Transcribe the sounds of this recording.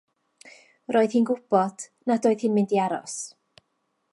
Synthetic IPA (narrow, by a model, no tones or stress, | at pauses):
roːɨðhiːnɡʊb̥ɔd̥nadoːɨðhɪnmɪndiaɾɔ̰s